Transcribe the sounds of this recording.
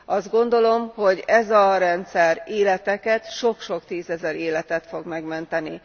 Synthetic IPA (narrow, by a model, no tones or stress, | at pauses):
ʔɒzd̪̚ɡo̞nd̪o̞lo̞mho̞ɟɛzɒɾɛnt̪sɛreːlɛt̪ɛkɛt̪ʃo̞kʃo̞kt̪iːzɛzɛɾeːlɛt̪ɛt̪fo̞ɡmɛɡmɛnt̪ɛni